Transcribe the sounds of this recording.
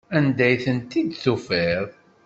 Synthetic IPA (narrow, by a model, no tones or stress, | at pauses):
ænd̪æjθənt̪id̪θufeɾˤ